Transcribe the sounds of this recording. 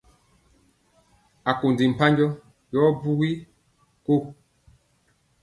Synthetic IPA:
a˨ko˨ndi˨m̩˨pa˦ɲd͡ʒɔ˦ | jɔ˦bu˦ɣi˦ | ko˦˨

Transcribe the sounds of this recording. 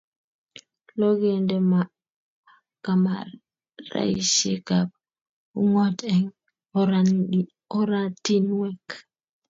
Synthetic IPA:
lo˦ɡe˨ndɛ˨ma | ka˨ma̰ | ɾa̰˦i˦ʃḛ˦kap̚ | u˦ŋɔ˦tɛŋ | ɔ˦ɾa˦ti˦nwɛ˦k

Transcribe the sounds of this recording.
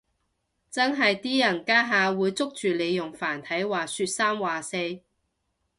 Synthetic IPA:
t͡sɐ˥nɦɐ˨jt̪iː˥jɐ˨˩nkaː˥ɦaː˨˧wuː˨˧jt͡sʊ˥k̚t͡ʃyː˨˩le˨˧jʊ˨˩ŋfaː˨˩nt̪ʰɐ˨˥jwaː˨syː˧t̚saː˥mwaː˨˩se˧j

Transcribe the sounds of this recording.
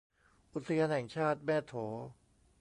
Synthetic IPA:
ʔu˦˥t̪̚sʰa˧jaː˧nɦɛː˨˩˦ŋt͡ɕʰaː˥˩t̪̚mɛː˥˩t̪ʰːoː˩˦

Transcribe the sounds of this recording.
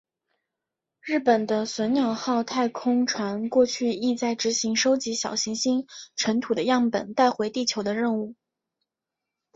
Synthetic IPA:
ɻɻ̩˥˩pə˨˩nd̪ə˦swə˧˥nnjɑ˨˩ʊxɑ˥˧ʊt̪ʰa˥˧ɪkʰʊ˥ŋʈ͡ʂʰwa˧˥nkwɔ˥˧t͡ɕʰy˥˧i˥˧t͡sa˥˩ɪʈ͡ʂɻ̩˧˥ɕi˧˥ŋʂo˥ʊt͡ɕi˧˥ɕjɑ˨˩ʊɕi˧˥ŋɕi˥nʈ͡ʂʰə˧˥nt̪ʰu˨˩d̪ə˦jɑ˥˩ŋpə̰˨˩nt̪a˥˩ɪxwe˧˥ɪt̪i˥˩t͡ɕʰjo˧˥ʊd̪ə˧ɻə˥˧nu˥˩

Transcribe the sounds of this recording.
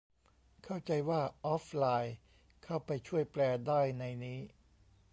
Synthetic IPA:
kʰa˥˩wt͡ɕa˧jwaː˥˩ʔɔː˦˥f̚laː˧j | kʰa˥˩wpa˧jt͡ɕʰu˥˩əjplɛː˧daː˥˩jna˧jniː˦˥

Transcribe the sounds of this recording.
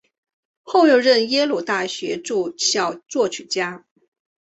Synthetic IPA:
xo˥˧ʊjo˥˧ʊɻə˥˩njɛ˥lu˨˩t̪a˥˩ɕɥɛ˧˥ʈ͡ʂu˥˧ɕjɑ˨˩ʊt͡swɔ˥˩t͡ɕʰy˨˩t͡ɕja˥

